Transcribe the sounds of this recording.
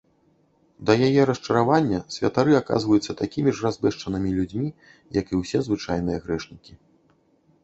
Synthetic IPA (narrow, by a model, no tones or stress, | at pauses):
d̪ɐjajɛɾɐst͡ʂɐɾavanʲːɐsʲvʲɐ̰t̪aɾɨaka̰zvɐjut̪sːɐt̪akʲimʲiʐrazbɛʂt͡ʂɐnɨmʲilʲud͡zʲmʲi | jɐkiwsʲɛzvɨt͡ʂajnɨjɐɣɾɛʂnʲikʲi